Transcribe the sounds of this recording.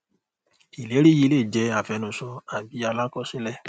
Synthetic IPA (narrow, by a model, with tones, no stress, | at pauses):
i˨le˨˦ɾi˦ji˧leː˦˨d͡ʒɛ˧a˨fɛ˨˧˦nũ˧sɔ˧a˨bi˨˧˦a˧la˦kɔ˦˨si˦lɛ˦˨